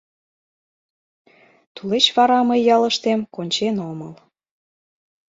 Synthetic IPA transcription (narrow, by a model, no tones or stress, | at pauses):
t̪ulet͡ɕβɑɾɑməjːɑləʃt̪emkonʲt͡ɕenoməl